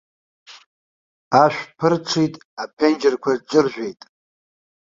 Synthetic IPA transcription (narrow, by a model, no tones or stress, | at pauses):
aʃʷᶣpʰɨrʈ͡ʂʷʰitʼ | apʰend͡ʒɪrkʷʰarʈ͡ʂʼɨrʒᶣʷe̞jtʼ